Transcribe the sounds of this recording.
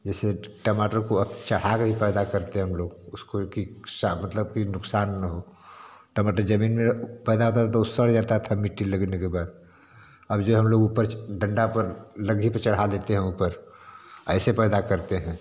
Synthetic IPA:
d͡ʒɛːseʈəmaːʈəɾkoəbt͡ʃɐɽ̤akebʱipɛːd̪akɐɾt̪eɦɛɦəmloːɡʊskokisamɐt̪ləb̚kinʊksaːnːəɦoːʈəmaːʈəɾd͡ʒəmiːnmẽpɛːd̪aɦot̪aet̪oʊsːəɽd͡ʒat̪aɦt̪ʰəmɪʈːiləɡnekebaːd̪ | ɐbd͡ʒoɦɐmloːɡuːpəɾɖɐ̃ɳɖapəɾləɡipəɾt͡ʃɐɽ̤ɦad̪eːt̪eɦɛ̃upəɾ | ɛ̰ːsepɛːd̪akəɾt̪eɦɛ̃ː

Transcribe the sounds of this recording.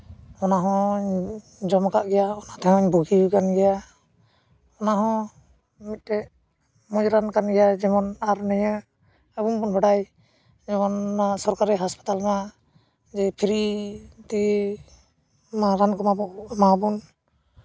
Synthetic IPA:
ɔnaɦɔ̃ɲ | d͡ʒɔmkaʔɡɛjaɔnat̪ɛɦɔ̃ɲbuɡikanɡɛja | ɔnaɦɔ̃ | mit̪̚tɛ | mɔd͡ʒɾankanɡɛjad͡ʒɛmɔnaɾnɛja | əbumbɔnbaɽaj | d͡ʒɛmɔnːasɔɾkaɾɛɦaspḁt̪alna | d͡ʒɛpʰiɾit̪i | maɾankɔmabɔʔmabɔn

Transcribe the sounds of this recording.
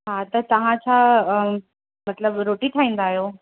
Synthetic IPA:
ɦat̪ɐt̪ɐʋ̤ãt͡ɕʰa | mɐt̪ləbɾoːʈit̪ʰaːĩːnd̪aːɦjoː

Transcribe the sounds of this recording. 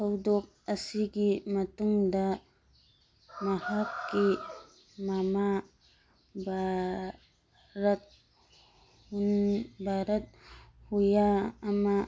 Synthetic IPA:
sɐwdɔk̚ɐsiɡimɐtuŋdɐ | mɐhakːi | mama | bʱa | ɾɐt̪̚ | hunbʱaɾɐt̪̚hujaːma

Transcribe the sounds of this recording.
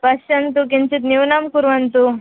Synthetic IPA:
pɐɕɐnt̪ukint͡ʃit̪niwnamkuɾʋɐnt̪u

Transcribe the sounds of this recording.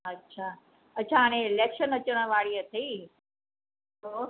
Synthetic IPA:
ɐtːɕʰaː | ɐːɕʰaːaːɽ̃ẽleːkʃənɐt͡ɕəɽ̃əʋaːɽiət̪ʰɐiː | o

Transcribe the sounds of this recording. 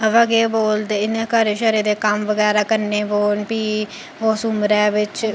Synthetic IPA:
əʋaɡeːboːld̪eɪnẽːkəɾeʃəɾeːd̪eːkəmʋəɡɛːɾaːkəɾneːboːnpiː | oːsʊmɾɛːʋɪt͡ʃ

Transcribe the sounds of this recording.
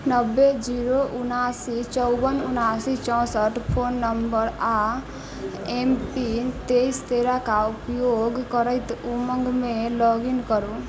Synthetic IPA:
nəbːed͡ʒiɾoʔunasit͡ʃɔʊbənunasit͡ʃɔ̃wsəʈpʰonːəmbəɾa | empint̪eist̪eɾakaupjoɡkəɾəjt̪uməŋɡmẽlɔɡinkəɾu

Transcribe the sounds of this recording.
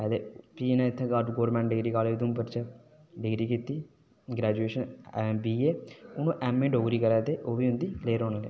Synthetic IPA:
pɛːd̪eːpiːnɛ̃ɪt̪ʰːekaɾʈɡoːɾmɛ̃ːɳʈɖɪɡɾiːkaːleːd̪uːmpəɾt͡ʃə | ɖɪɡɾiːkit̪iː | ɡɾɛːd͡ʒueːʃənɛbiːeːʊnũːʔɛːmẽːɖoːɡɾiːkəɾaːt̪eːʔoːʋiːɦʊ̃nd̪iːleːɾoːneːlḛː

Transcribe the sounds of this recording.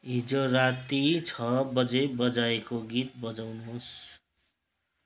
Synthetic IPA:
id͡zorat̪it͡sʰʌbʌd͡zebʌd͡zaekoɡit̪̚bʌd͡zawnos

